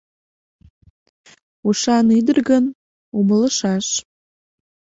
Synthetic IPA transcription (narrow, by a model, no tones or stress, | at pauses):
uʃɑnyd̪ərɣən | umələʃɑʃ